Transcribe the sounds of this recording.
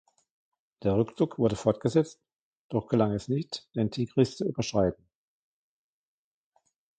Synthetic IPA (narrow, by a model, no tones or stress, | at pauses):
d̥eːɐʁ̞ʏkt͡sʊkv̥ʊɐɾəfɔɐtɡ̥əzɛt͡st | d̥ɔχɡ̥əlaŋɛsnɪçtd̥entʰiːɡʁɪst͡suy̰ːbɐʃʁ̥aɪtn̩